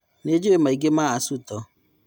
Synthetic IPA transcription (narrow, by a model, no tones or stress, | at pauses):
ned͡ʒeemaiɡemaasutɔ